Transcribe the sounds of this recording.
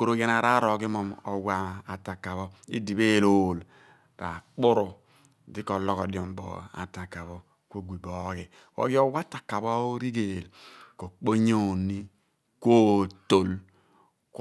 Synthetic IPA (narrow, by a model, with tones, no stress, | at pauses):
ko˨ɾo˨ɡe˦na˨ɾa˦ɾo˨ɡi˦mɔ˦mo˨wa˨a˨ta˨ka˨βɔ˦ḭ˦di˨be˦˨lo˨l | ɾa˨k͡pʊ˦ɾo˨ | di˦kɔ˨lɔ˦kɔ˨djɔ˨m˦bo̰˨a̰˨ta˨ka˨βo˦ | ko˦ɡʷi˨bo˨˦ɡi˨ | wo̰˦ɡi˦o˦wa˦ta˨ka˨bo˦o˦ɾi˦ɡe˨lko˨k͡po˦ɲo˦˨nːi˦ | ko˦˨to˨l | k